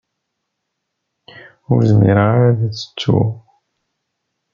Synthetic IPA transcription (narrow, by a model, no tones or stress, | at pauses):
ʊɾzmḭɾəʁaɾaðæt͡sːə̥t͡sːṵ